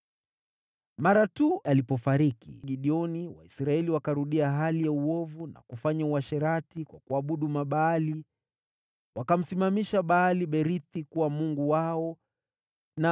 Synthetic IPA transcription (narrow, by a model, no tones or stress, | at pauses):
maɾatuʔalipɔfaɾikḭʄiɗiɔniwa̰isɾaɛliwakaɾuɗiaɦalijauɔvuna̰kufaɲauaʃɛɾatikwakuaɓuɗumaɓaːli | wakam̩simamiʃaɓaaliɓɛɾiθikuwamuŋɡuwaɔ | na